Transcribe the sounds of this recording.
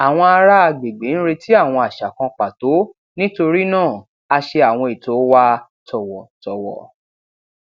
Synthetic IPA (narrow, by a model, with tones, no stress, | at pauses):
a˨w̃ɔ̃˧a˧ɾa˦a˧˨ɡ͡be˨ɡ͡be˨˦n̩˦ɾe˧ti˦a˦˨w̃ɔ̃˧a˨ʃa˨kã˧k͡pa˨to˨˦ | nĩ˦to˧ɾi˦nãː˦˨ | a˧ʃe˧a˨w̃ɔ̃˧i˨to˨˦wa˦tɔ˨wɔ˨tɔ˨wɔ̰˨